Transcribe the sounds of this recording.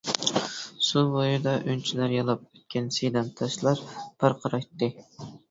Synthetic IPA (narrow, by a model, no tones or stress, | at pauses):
subojud̪ɑʔynt͡ʃʰilæɾjɑlˠɑp̚øt̪̚kʲʰɛnsejd̪ɛnt̪ʰɑʃlˠɑɾb̥ʰɑɾqʰɑɾɑjt̪ːɨ